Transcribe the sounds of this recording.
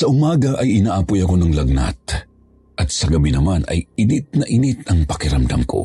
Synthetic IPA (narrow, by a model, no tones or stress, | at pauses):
sɐʔʊmaːɡɐʔɐjɪnaːʔapojɐko̞nɐŋlɐɡ̚na̰t̪̚ | ʔɐt̪̚sɐɡɐbinɐmanɐ̰jɪnɪt̪̚nɐʔɪnit̪ɐŋpɐkɪɾɐmd̪ɐmko̞̰